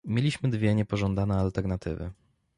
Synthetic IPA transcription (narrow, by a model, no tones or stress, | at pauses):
mʲjelʲiɕmɘd̪vʲjɛɲɛpɔʐɔnd̪anɛalt̪ɛɾnat̪ɘ̰vɘ̰